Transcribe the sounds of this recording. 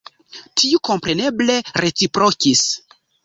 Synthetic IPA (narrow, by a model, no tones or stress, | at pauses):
tʰiuko̞mpɾe̞ne̞ble̞ɾe̞t͡sipɾokis